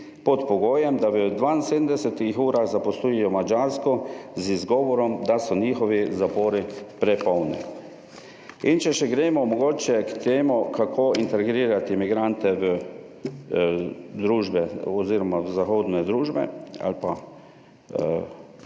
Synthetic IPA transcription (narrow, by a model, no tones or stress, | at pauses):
pɔt̪pɔɡoːjɛmd̪aʋəd̪ʋainseːd̪md̪ɛsɛt̪ixuːɾaxzapɔsluːjɛjɔmad͡ʒaɾskɔzizɡɔːʋɔɾɔmd̪asɔniːxɔʋizapoːɾipɾɛpɔwnɛ̰ | int͡ʃɛʃɛɡɾeːmɔmɔɡoːt͡ʃjɛkt̪eːmukakʰoːint̪ɛɾɡɾiːɾat̪imiɡɾant̪ɛʋə | d̪ɾuːʒbɛɔziːɾɔmaʋzaxoːd̪nɛd̪ɾuːʒbɛ̰a̰lpa